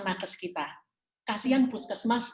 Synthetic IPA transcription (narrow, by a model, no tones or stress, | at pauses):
nakəskit̪a | kasianpuskəsmas